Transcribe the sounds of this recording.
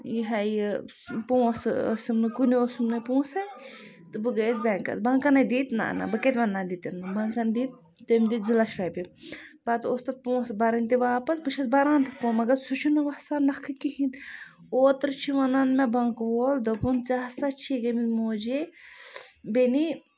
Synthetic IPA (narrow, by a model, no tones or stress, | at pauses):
jiɦɐj | pũːso̰sɨmnɨkuniosumnɨpũːsɐ | t̪ɨbɨɡɐzbʲɛŋkɐ̰t͡sbɐŋkɐnɐd̪iːt̪na̰ʔna̰bɨket̪ʲʋɐnːaːd̪it̪ɐnːɨbɐŋkɐnd̪iːt̪̚ | t̪ɐmd̪iːt̪zilaʃɾaːjpʲibɐt̪ost̪ɐt̪̚põːsbɐɾɐnʲt̪iʋaːpɐsbɨt͡ʃʰɐsbɐɾãːnt̪ɐpõmɐɡɐsut͡ʃʰunɨʋɐsaːnːɐkʰɨkihĩn | oːt̪ɾt͡ʃʰiʋɐnɐnmebɐŋkʋoːld̪ɐpunt͡saːɦsɐt͡ʃʰiɡɐmimoːd͡ʒe | beni